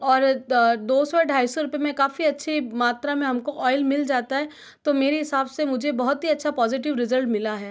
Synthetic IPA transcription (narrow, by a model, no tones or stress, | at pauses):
ɔːɾd̪oːsɔeɖʱaːisɔɾʊpemẽkaːfiɐtːʃʰimaːt̪ɾamẽɦɐmkoʔɔːɪlmɪld͡ʒaːt̪aɦɛː | t̪omeːɾeɦɪsaːbsemʊd͡ʒʱebɐɦʊt̪ɦiɐtːʃʰapɔːzɪʈ̬ɪʋɾɪzəlʈmɪlaɦɛː